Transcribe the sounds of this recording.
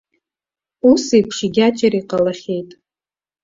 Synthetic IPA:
usijpʰʂɪɡʲat͡ʃʼaɾiqʼalaχʲe̞jtʼ

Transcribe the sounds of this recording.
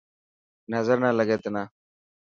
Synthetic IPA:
nəzəɾnaləɡeːt̪naː

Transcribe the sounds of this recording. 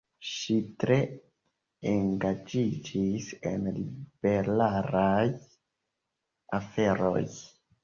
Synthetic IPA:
ʃitɾe̞ | eŋɡad͡ʒid͡ʒisḛnlib̥eɾaɾaj | afe̞ɾo̰j

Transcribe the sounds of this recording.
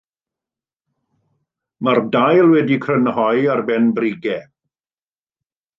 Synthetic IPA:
mardajlˠwɛdikʰrənhɔjarbɛnbriɡɛ

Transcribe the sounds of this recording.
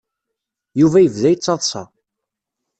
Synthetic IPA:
juvæjəvðæjt͡sːɑðˤsˤɑ̰

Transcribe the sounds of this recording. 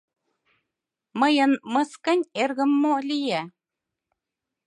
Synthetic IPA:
mɤ̆jɤ̆nmɤ̆skə̆nʲerɣə̆mːolʲijæ

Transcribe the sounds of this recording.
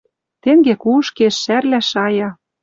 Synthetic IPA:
t̪eŋɡekuʃkeʃːærlæʃɑjɑ

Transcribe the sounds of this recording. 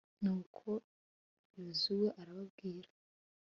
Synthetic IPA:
nuːkʰo | juzuweʔaɾaβabɡiːɾa

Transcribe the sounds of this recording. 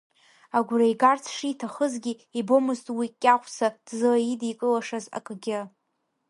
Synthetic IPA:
aɡʷrajɡart͡sʰʂitʰaχəzɡʲiibo̞mɨztʼwikʲʼːaχʷsad̥zɨlajidikʼɨlaʂaza̰kʼɡʲɪ

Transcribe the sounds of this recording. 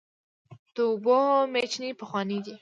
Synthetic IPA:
t̪obomet͡ʃnipəxwɑnid̪i

